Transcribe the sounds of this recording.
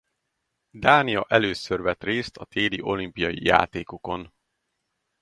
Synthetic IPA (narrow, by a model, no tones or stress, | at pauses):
d̪aːnijɒʔɛløːsørvɛt̪reːst̪ʰɒt̪eːliʔo̞limpijɒjḭja̰ːt̪eːko̞ko̞n